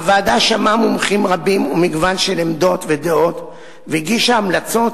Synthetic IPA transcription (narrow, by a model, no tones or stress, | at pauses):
vaːd̪aʃamamomχimʁabimumiɡvanʃelemd̪o̞t̪ved̪eo̞t̪ | veiɡiʃaamlat͡so̞t